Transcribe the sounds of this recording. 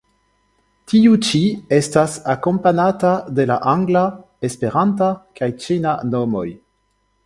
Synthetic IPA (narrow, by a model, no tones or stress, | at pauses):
tiut͡ʃie̞stasako̞mpanatade̞la̰ʔaŋɡla | espe̞ɾantakajt͡ʃenano̞mo̞̰j